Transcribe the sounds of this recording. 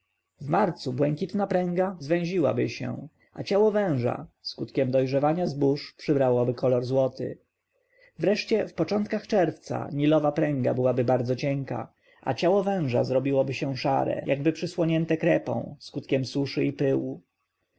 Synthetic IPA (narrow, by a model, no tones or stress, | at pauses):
vmaɾt̪subwɛŋkʲit̪napɾɛ̃ŋɡazvɛ̃ʑiwa̰bɘɕɛ̰̃ | ʔat͡ɕawɔvɛ̃w̃ʐa̰skut̪kʲɛmd̪ɔjʐɛvaɲazbuʂpʂɘbɾawɔbɘkʰɔlɔɾzwɔt̪ʰɪ̰ | vɾɛʂt͡ɕɛfpɔt͡ʂɔnt̪kaxt͡ʂɛɾft̪sa̰ɲilɔvapɾɛ̃ŋɡa̰bɘwabɘbaɾd̪zɔt͡ɕɛŋka̰ | a̰t͡ɕawɔvɛ̃w̃ʐa̰zɾɔbʲiwɔbɘɕɛ̃w̃ʂa̰ɾɛ̰jʔaɡbɘpʂɘswɔɲɛnt̪ɛkɾɛpɔ̰̃w̃skut̪kʲɛmsuʂɘipɘwu